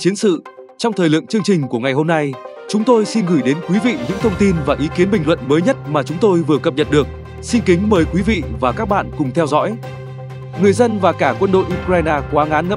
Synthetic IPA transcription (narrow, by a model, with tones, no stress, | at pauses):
t͡ɕi˨˦ənsɨ̰˧˨ | t͡ɕɔ˧wŋ͡mt̪ʰəː˨˩lɨ̰˧˨əŋt͡ɕɨ˧əŋt͡ɕï˨˩ŋ̟ku˧˩əŋa˨˩jho˧mna˧j | t͡ɕʊ˨˦ŋ͡mt̪o˧jsi˧nɣɨ˧˩jɗe˨˦nkwi˨˦vḭ˧˨ɲɨ̰˧˥ŋt̪ʰə˧wŋ͡mt̪i˧nvaː˨˩ʔi˨˦ki˨˦ənɓï˨˩ŋ̟lwə̰˧˨nməː˨˦jɲə˦˥t̚maː˨˩t͡ɕʊ˨˦ŋ͡mt̪o˧jvɨ˨˩əkə˨˩p̚ɲə̰˨n̚ɗɨ˨˩ək̚ | si˧nkï˨˦ŋ̟məː˨˦jkwi˨˦vḭ˧˨vaː˨˩kaː˦˥k̚ɓa̰ː˧˨nkʊ˨˩ŋ͡mt̪ʰɛ˧wzɔ̰˧˥j | ŋɨ˨˩əjzə˧nvaː˨˩kaː˧˩kwə˧nɗo̰˧˨jʔu˧kɾaː˧jnaː˧kwaː˨˦ŋaː˨˦nŋə̰˦˧˥